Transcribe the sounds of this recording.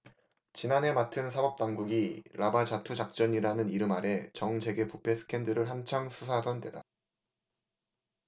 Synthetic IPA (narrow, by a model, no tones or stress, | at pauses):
t͡ɕinanɦe̞matʰɯnsʰabʌp̚t͈aŋɡuɡiɾʔabad͡ʑatʰud͡ʑak̚t͡ɕ͈ʌɲiɾanɯniɾɯmaɾe̞t͡ɕʌŋsʰe̞ɡe̞pupʰe̞s͈ʰɯ̥kʰe̞ndɯɾɯɭɦant͡ɕʰaŋsʰusʰasʰʌndwe̞da